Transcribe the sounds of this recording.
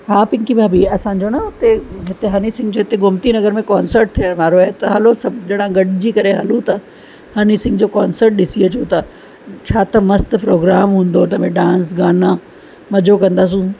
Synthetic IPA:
ɦaːpɪ̃ŋkibʱaːbiɐsãːɲ̆d͡ʑonɐʊt̪eɦɪt̪eɦɐnisɪ̃ŋɡd͡ʑoːɦɪt̪eɡʱʊmt̪inɐɡəɾmẽkaːnsəɾʈ̚t̪ʰijaɾʋaːɾoɐet̪ɐɦɐlosɐbd͡ʑɐɽ̃ãɡɐɖɪd͡ʑiːkɐɾeɦɐlũt̪ɐ | hɐnisɪ̃ŋɡd͡ʑoːkaːnsəɾʈ̚ɗɪsiɐt͡ɕʰot̪ɐ | t͡ɕʰaːt̪ɐmɐst̪pɾoːɡɾaːmɦũːn̆d̪ot̪ɐmẽɖãːnsɡaːna | mɐd͡ʑokɐ̃nd̪aːs̬ũ

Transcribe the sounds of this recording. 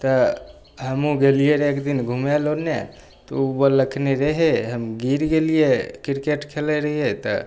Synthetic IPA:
t̪ə | ɦəmũɡelieɾekd̪ɪnɡʱumelonḛ | t̪o̰bələkʰneɾəɦeɦəmɡiɾkeliekɪɾkeʈkʰeleɾəɦiet̪ə̰

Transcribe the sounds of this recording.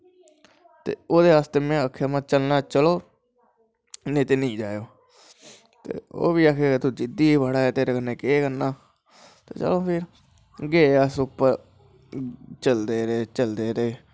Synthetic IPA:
t̪ḛːoːd̪eːaːst̪eːmɛ̃ːəkʰːamãːt͡ʃəlnaːt͡ʃəloː | nẽːt̪eːnəĩːd͡ʒaːjoː | t̪ḛːo̰ːʋiːaːkʰeːket̪uːd͡ʒɪd̪iːbaɽaːɛːt̪eːɾeːkənːeːkeːkəɾnaː | t̪ḛːt͡ʃə̰loːpʰɪɾ | ɡeːaːsʊpːəɾ | t͡ʃəld̪eːɾeːt͡ʃəld̪eːɾeː

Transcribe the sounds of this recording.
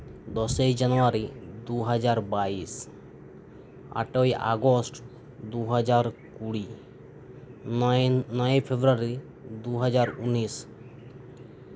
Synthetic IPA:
d̪ɔsejd͡ʒanuaɾid̪uɦad͡ʒaɾbais | a̰ʈoja̰ɡosʈ | d̪uɦad͡ʒaɾkuɽi | nɔjepʰebɾuaɾi | d̪uɦad͡ʒaɾunis

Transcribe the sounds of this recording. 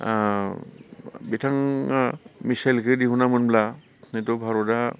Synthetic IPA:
bitʰaŋ | misajlkʰɯdiɦunamɯnbla | netɔbʱaɾɔda

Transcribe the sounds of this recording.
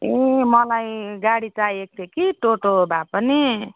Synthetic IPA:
emʌlajɡaɽit͡sajek̚t̪ekiʈoʈobʱapʌni

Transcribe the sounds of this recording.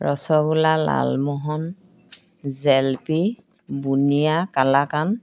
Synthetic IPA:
ɹɔsɔɡulala̰lmɔɦɔn | zɛlpi | bunijakalakan

